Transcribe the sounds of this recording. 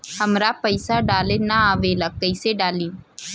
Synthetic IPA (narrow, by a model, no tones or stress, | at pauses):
hɐmɾapəɪsaɖaːlenaaːʋelɐkəɪseɖaːlĩː